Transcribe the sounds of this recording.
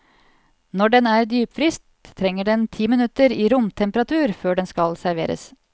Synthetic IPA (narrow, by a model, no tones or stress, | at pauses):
nɔɖɛnæːɾd̪yːpfɾɪst̪ʰːɾɛŋːəɖɛnt̪ʰiːmɪnʉt̪əɾiːɾʊmt̪ʰɛmpəɾɑt̪ʰʉːɾføːɖɛnskɑlsæɾʋḛːɾə̰s